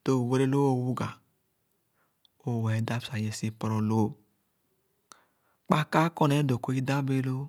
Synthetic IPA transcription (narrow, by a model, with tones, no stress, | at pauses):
d̥o˦˨we˦ɾe˦lo˦o˦˨wu˦ɡa˨ | o˦˨we˨˦da˦sa˨je˨si˦pɔ˨ɾɔ˨lo˦ | k͡pa˦ka˦kɔ˦ne˨˦do˨ko˦i˦da˦be˦lo˦